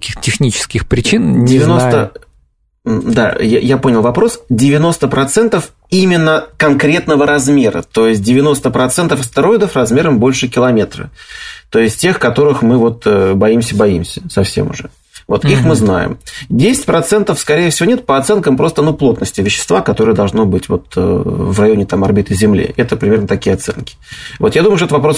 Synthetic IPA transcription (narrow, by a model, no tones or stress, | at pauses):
kɐ̥kʲixt̪ətʲɪxnʲit͡ɕɪ̥skʲɪxpɾʲɪt͡ɕindʲɪvʲɪno̞st̪ə | d̪a̰ja̰japonʲɪlˠvɐpɾo̞sdʲɪvʲɪno̞st̪əpɾɐt̪sɛnt̪əf | imʲɪnːəkɐnkɾʲe̞t̪nəvəɾɐzmʲe̞ɾə̰t̪o̞jɪsʲt̚ʲdʲɪvʲɪno̞st̪əpɾɐt̪sɛnt̪əfɐst̪əɾo̞ɪd̪əfrɐzmʲe̞ɾəmbo̞lʲʂɨkʲɪlˠɐmʲe̞t̪rə̰t̪o̞ɪsʲt̚ʲtʲe̞xkɐt̪o̞ɾɨxmɨvo̞t̪əbɐimsʲəbɐḭmsʲəsɐfsʲḛmʊ̰ʐɛ̰ | vo̞t̪ixmɨzna̰jɪ̰mdʲesʲɪ̥t̚ʲpɾɐt̪sɛnt̪əfskɐɾʲejɪfsʲɪvo̞nʲet̪̚pəɐt̪sɛnkəmpɾo̞st̪ənuplˠot̪nəsʲtʲɪvʲɪɕːɪ̥st̪vakɐt̪o̞ɾəjəd̪ɐlˠʐno̞bɨtʲvo̞̰t̪ə̰vrɐjo̞nʲɪt̪amɐrbʲit̪ɨzʲɪmlʲḭʔɛt̪əpɾʲɪmʲe̞rnət̪ɐkʲijəɐt̪sɛ̰nkʲɪ̥vo̞t̪jad̪uməʊʃʂt̪t̪əvɐpɾo̞s